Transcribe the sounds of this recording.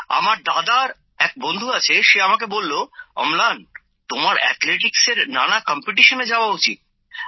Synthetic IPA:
a̰maɾd̪ad̪aɾ | ɛk̚bond̪ʱuat͡ɕʰeʃeamak̬ebolːoɔ̰mlan | t̪omaɾɛ̰t̪leʈ̬ikseɾna̰nakɔmpiʈ̬iʃoned͡ʑaoaut͡ɕit̪̚

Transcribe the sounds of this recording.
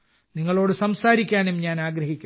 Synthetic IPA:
niŋːɐɭo̞ːɽɨsɐmsaːɾikʲːaːnumɲaːnaːɡɾɐɦikʲːu

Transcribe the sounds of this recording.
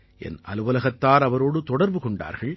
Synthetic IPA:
ʔɛ̰nʔɐ̰lɯʋɐlɐɣɐt̪ːaːɾɐʋɐɾoːɽɯt̪ɔɽɐɾbɯkɔɳɖa̰ːɾɣɐɭ

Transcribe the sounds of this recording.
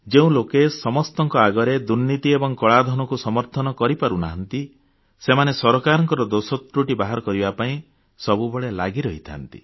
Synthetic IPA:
d͡ʒeũlokesɔmɔst̪ɔŋkɔaɡɔɾed̪uɾnit̪iebɔŋkɔɭad̪ʱɔnɔkusɔmɔɾt̪ʰɔnɔkɔɾipaɾuna̰ɦɔnt̪i | semanesɔɾɔkaɾɔŋkɔɾɔd̪osɔt̪ɾuʈibaɦaɾɔkɔɾibapaĩ | sɔbubɔɭelaɡiɾɔɦit̪ʰa̰nt̪ḭ

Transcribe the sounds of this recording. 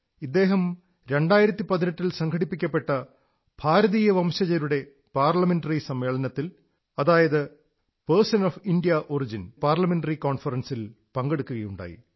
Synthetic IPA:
id̪ːe̞ːɦɐm | ɾe̞ɳɖaːjiɾɐt̪ːipɐðinɐʈːilsɐŋɡʰʱɐɽipːikʲːɐpːe̞ʈːɐ | b̥ʱaːɾɐðiːjɐʋɐmɕɐd͡ʑɐɾuɽe̞ | paːrlɐmenɖɐrisɐmːe̞ːɭɐnɐt̪ːil | ɐðaːjɐðɨ | persɐnofinɖijɐʔorid͡ʑinpaːrlɐme̞nɖɐrikoːnfɐrɐnsil | pɐŋɡe̞ɽukːuɣɐjuɳɖa̰ːjḭ

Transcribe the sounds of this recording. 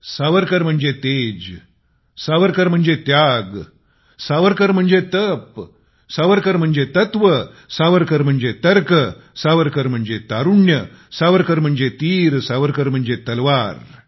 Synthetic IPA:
saːʋəɾkəɾm̤əɳd͡ʑet̪eːd͡ʑ | saːʋəɾkəɾm̤əɳd͡ʑet̪jaːɡ | saːʋəɾkəɾm̤əɳd͡ʑet̪əp | saːʋəɾkəɾm̤əɳd͡ʑet̪ɐt̪ʋə | saːʋəɾkəɾm̤əɳd͡ʑet̪ɐɾkəsaːʋəɾkəɾm̤əɳd͡ʑet̪aːɾuɳjə | saːʋəɾkəɾm̤əɳd͡ʑet̪iːɾsaːʋəɾkəɾm̤əɳd͡ʑet̪ɐlʋaːɾ

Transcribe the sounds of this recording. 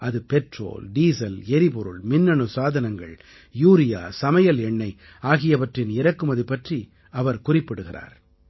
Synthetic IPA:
ɐðɯpɛʈro̰ːlɖiːsɐlɛɾɪpɔɾɯɭmɪnːɐɳɯsaːðɐnɐŋɡɐ̰ɭ | juːɾɪja̰ːsɐmɐjɐlɛɳːɐɪ | aːɣɪjɐʋɐʈrɪnɪɾɐkːɯmɐðɯpːɐʈri | ɐʋɐɾkʊrɪpːɪɽɯɣɪra̰ːɾ

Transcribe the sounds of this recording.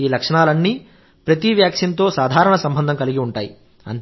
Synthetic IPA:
iːlɐkʂɐɳaːlɐnːiː | pɾɐt̪iʋjaːkʂɐnt̪o̞ːsaːd̪ʱaːɾɐɳɐsɐmbʱɐnd̪ɐŋkɐliɡiuɳʈaːji | ɐ̰n

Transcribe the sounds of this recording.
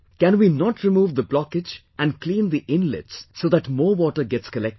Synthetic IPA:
kæ̃nwiːnɔʈɾɪmuːʋd̪əblɔkɪd͡ʒʔæ̃nɖklĩːnd̪iʔɪ̃nlɪ̰tssoːd̪æʈmɔːwɔʈəɾɡɛtskəlɛk̚t

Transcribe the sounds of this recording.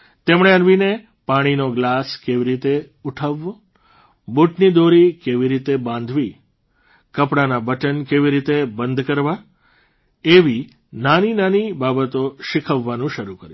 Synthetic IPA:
t̪emɳ̃eənʋine | paɽ̃inoɡlaskeʋiɾit̪e | uʈʰəʋːo | boʈnid̪oɾikeʋiɾit̪ebãnd̪ʱʋi | kəpɽanabəʈənkeʋiɾit̪ebənd̪ʱkəɾʋa | eʋi | naninanibabət̪oʃɪkʰəʋːanũʃəɾukəɾjũ

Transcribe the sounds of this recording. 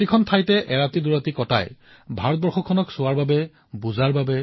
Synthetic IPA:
tikʰɔntʰajtɛʔɛɹatiduɹatikɔta̰j | bʱaɹɔt̚bɔɹxɔkʰːɔnɔksʊwaɹbabɛ | buzaɹbabɛ

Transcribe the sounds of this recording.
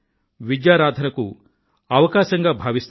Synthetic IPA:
ʋid̪jaːɾaːd̪ʱɐnɐku | ɐʋɐkaːʃɐŋɡaːbʱaːʋist̪

